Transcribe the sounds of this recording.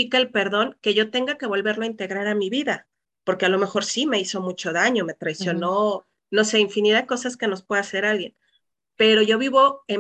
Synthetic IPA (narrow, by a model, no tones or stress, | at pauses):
ikelpe̞ɾðo̞ŋke̞ʝo̞t̪e̞ŋɡake̞βo̞lβe̞ɾloaint̪e̞ɣɾaɾamiβiða | po̞ɾke̞alo̞me̞xo̞ɾsime̞iso̞mut͡ʃo̞ðaɲome̞t̪ɾajsjo̞no̞ | no̞se̞iɱfiniðaðko̞saske̞no̞spwe̞ðase̞ɾalɣje̞n | pe̞ɾo̞ʝo̞βiβo̞e